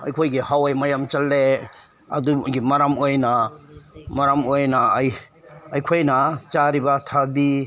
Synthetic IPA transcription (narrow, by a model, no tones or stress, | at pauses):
ɐ̰jkʰojɡihawajmɐjamt͡ʃalːe | ɐ̰duɡimɐɾamojna | maɾamojnajː | jkʰojnɐt͡ʃaɾibatʰabi